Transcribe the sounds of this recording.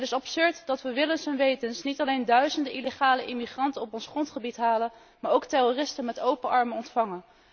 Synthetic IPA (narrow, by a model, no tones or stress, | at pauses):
tɪsɑpsøɹtdɑtʋəʋɪlənsənʋejtənsnitɑlejndœɥzəndəʔileχaːləʔimiχrɑntənɔpɔnsχrɔntχəbitɦaːlən | maːɹowktɛrorɪstənmɛtowpəʔɑɹməɔntfɑŋən